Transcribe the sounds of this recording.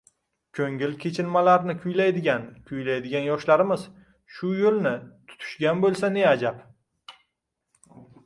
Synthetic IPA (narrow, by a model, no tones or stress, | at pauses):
kʲʰɵŋʲɪlkʲʰe̞t͡ʃʰɪnmalaɾnɪkʲʰʊjlajd̪ɪɡʲankʲʰʊjlajd̪ɪɡʲanjɒʃlaɾɪmɪz̥ | ʃʊjolˠnɪt̪ʰʊ̥t̪ʰʊ̥ʃɡʲanbolˠsane̞ad͡ʒap